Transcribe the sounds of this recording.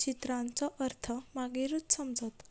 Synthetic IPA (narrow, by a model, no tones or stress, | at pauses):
t͡ɕit̪ɾãnt͡sɔʔəɾt̪ʰəmaɡeɾut̪səmd͡zət̪